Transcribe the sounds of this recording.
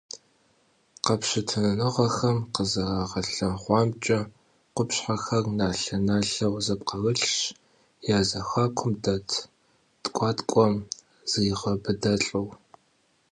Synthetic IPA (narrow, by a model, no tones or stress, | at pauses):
qɐpʃɪtʰɨnɐnɨʁɐxɐmqəzɐʁɑːʁɐɬɐmχʷɑːmt͡ʃʼɐ | qʷʊpɕħaxɐrnaːɬɐnaɬɐwzɐp̚qɐwɨɬʃ | jaːzɐxɐːkʷʰʊmdɐtʰ | tʼkʷʼɑːtkʷʼɔm | z̥ɨjɪʁɐbɨdɐɬʼɨw